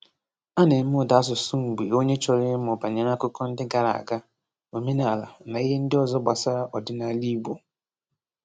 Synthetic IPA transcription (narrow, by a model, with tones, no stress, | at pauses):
a˦ne˨m̩˦m˦ʊ˨da˨a˦sʊ˨sʊ˦ŋ̩˨ɡ͡be˨o˦ɲe˦t͡ʃɔ˨ɾɪ˦m̩˦mɔ˨ba˨ɲe˨ɾa˦kʊ˦kɔ˦n̩˦dɪ˦ɡa˨ɾa̰˨a˨ɡa˦ | o˨me˦na˨la̰˨na˨i˦ɦe˦n̩˦dɪ˦ɔ˨zɔ˦ba˨sa˦ɾa˦ʔɔ˨dɪ˦na˦li˦bo˨